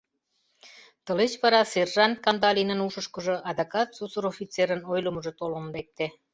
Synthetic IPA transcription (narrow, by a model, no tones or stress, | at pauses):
t̪ə̆let͡ɕβɑɾɑserʒɑnkɑnd̪ɑlʲinə̆nuʃə̆ʃkə̆ʒɤ̆ʔɑd̪ɑkɑt̪susəɾofʲit̪t͡seɾənojləməʒĕt̪olənlek̚t̪e